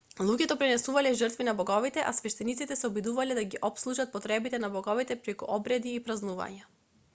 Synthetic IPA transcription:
lˠuɟɛt̪ɔpɾinɛsuvalɛʒərt̪vinabɔɡɔvit̪ɛʔasvɛʃt̪ɛnit̪sit̪ɛsɛɔbid̪uvalɛd̪aɡiʔɔpslˠuʒat̪̚pɔt̪ɾɛbit̪ɛnabɔɡɔvit̪ɛpɾɛkṵʔɔbɾɛd̪iːpɾaznuva̰ɲa

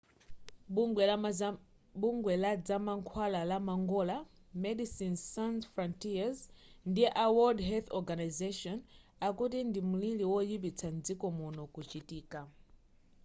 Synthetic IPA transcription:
buŋɡwɛlad͡zamaŋkʰwalalamaŋɡɔla | mɛdisinsanfɾɔntiazndiʔawɔdɦɛlθɔɡanazeʃɔn | akut̬indimuliliwɔjipit͡sʰand͡zikɔmunɔkut͡ʃitiːka

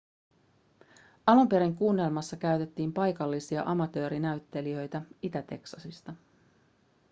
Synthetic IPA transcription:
ɑlumpe̞ɾiŋkuːnːe̞lmɑsːɑkæyɥt̪et̪ːiːmpɑjkɑlːisiɑ̰ʔɑmɑt̪ø̞ːɾinæɥt̪ːe̞liø̞jt̪æit̪æt̪e̞ksɑsist̪ɑ

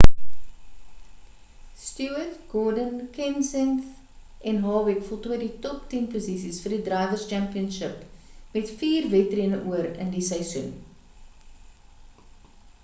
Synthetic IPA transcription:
stuətɡ̥ɔdənkɛnsɛnθ | ɛnɦɑːwikfɔlˠtuəditɔptinpuzisisfərdidrɐjvərst͡ʃæmpiənʃəpmɛtfiːrvɛtriənəʔuəɾə̰ndisəjsun

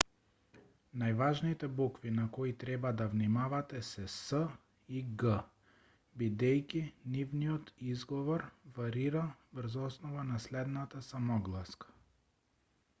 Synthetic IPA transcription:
najvaʒnit̪ɛbukvinakɔit̪ɾɛbad̪avnimavat̪ɛsɛsə | iɡə | bid̪ɛjkʲinivnijɔt̪izɡɔvɔɾvaɾiɾavɾzɔsnɔvanaslɛd̪nat̪asamɔɡlˠaskḁ

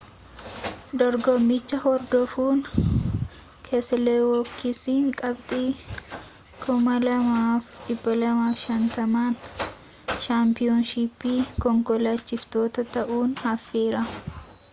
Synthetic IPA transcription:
d̪ɔɾɡɔmːɪt͡ʃːɐhɔɾd̪ɔfuːn | kʰeːsːɐleːwɔkːɪsiːŋkʼɐbt̪ʼiː | kʰʊmɐlɐmaːfᶑɪbːɐlɐmaːfʃɐnt̪ɐmaːn | ʃaːmpɪonʃipːiːkɔŋkɔlaːt͡ʃːɪft̪o̞ːt̪ɐt̪ɐʔuːnhɐfːeːɾɐ

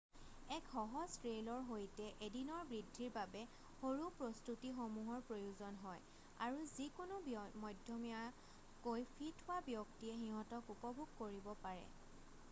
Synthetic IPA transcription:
ɛkxɔɦɔztɹelɔɹɦojtɛʔedinɔɹbɹidʱːiɹbabɛ | xoɹupɹɔstutixomuɦɔɹpɹojuzɔnɦɔj | a̰ɹuzikʊnʊbmɔjdʱjɔmija | kojpʰitʰʊabjɔktiɛxiɦɔ̃tɔkupɔbʱuɡkoɹibɔpaɹɛ̰

